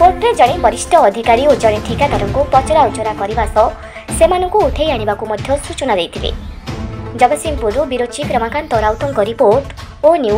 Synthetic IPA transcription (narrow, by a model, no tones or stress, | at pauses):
poʈɾed͡ʒɔɽ̃ebɔɾisʈɔːd̪ʱikaɾiod͡ʒɔɽ̃eʈʰikad̪ʱɔɾɔŋkupɔt͡ʃɔɾaut͡ʃɔɾakɔɾibasɔ | semanɔŋkuːt̪ʰejaɽ̃ibakumɔd̪ʱjɔsut͡ʃɔnad̪ejt̪ʰilḛ | d͡ʒɔbɔsimpuɾubiɾot͡ʃikɾɔmakant̪ɔɾawt̪ɔŋkɔɾipoɾʈ | onju